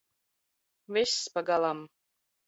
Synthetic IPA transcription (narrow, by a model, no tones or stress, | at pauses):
vʲesʲpɑɡɑlˠɑm